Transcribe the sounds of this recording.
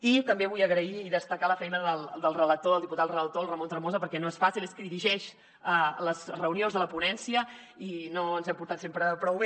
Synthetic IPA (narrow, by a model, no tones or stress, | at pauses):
it̪əmbeβujəɣɾəiːðəst̪əkaləfɛjnəðəlˠd̪əlˠrələk̚t̪oðəlˠd̪iput̪at̪rələk̚t̪olˠrəmont̪ɾmozəpəɾkɛnoesfasilˠeskəðiɾiʒɛʃ | ələzrəunionzðələpunɛnsiə | inoənzɛmpuɾt̪at̪sempɾəpɾɔwβe